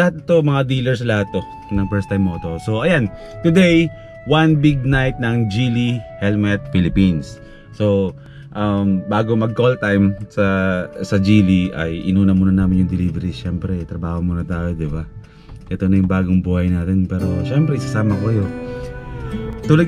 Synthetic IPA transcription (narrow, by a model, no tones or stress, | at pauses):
ɐat̪̚ɪt̪omɐŋad̪iːlɛɹsɐlɐhat̪̚ːo̞ | nɐŋpɛɹst̪ajmːoːt̪oso̞ʔɐjan | t̪ʊd̪ej | wɐnbiɡ̚najt̪̚nɐŋd͡ʒilihɛlmɛt̪̚filɪpinsː | o̞ | ʔɐmbaːɡo̞mɐɡ̚kolt̪ajmsɐsɐd͡ʒiːliʔɐ̰jʔɪ̰nuːnɐmuːnɐnaːmɪnjʊŋd̪ɛlivɛɾiʃɛmpɾɛt̪ɾɐbaːhomuːnɐt̪aːjo̞d̪ɪba | ʔɛt̪onɐjʊŋbaːɡoŋbuːhɐjnaːt̪ɛnpɛːɾo̞ʃɛmpɾɛɪsɐsaːmɐkokɐjo̞ | t̪ulɐ